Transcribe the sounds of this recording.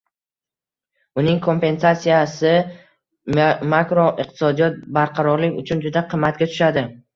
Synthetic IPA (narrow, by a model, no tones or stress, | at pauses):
ʊnɪŋkʰo̞mpe̞nsasijasɪ | makɾoʔɪq̚t̪ʰɪ̥sɒd̪ijɒt̪̚baɾqʰɑɾɒɾlɪkʲʊt͡ʃʰʊnd͡ʒʊd̪aqʰɨmːat̪̚ɡʲat̪ʰʊ̥ʃad̪ɪ